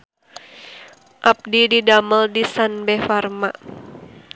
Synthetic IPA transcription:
ʔap̚dididaməldisanbɛfarmaʔ

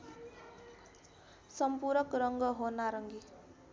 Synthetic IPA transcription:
sʌmpuɾʌkrʌŋɡʌɦonaɾʌŋɡi

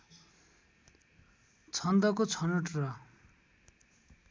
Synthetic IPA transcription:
t͡sʰʌnd̪ʌkot͡sʰʌnuʈrʌ

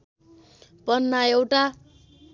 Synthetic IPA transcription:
pʌnːaewʈa

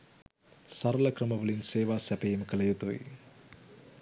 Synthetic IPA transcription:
sɐɾɐlɐkɾɐmɐʋɐlinseːʋaːsɛpejimkɐlɐjut̪uḭ

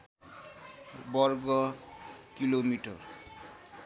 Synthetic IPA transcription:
bɔɾɡɔ | kilomiʈɔ̰r

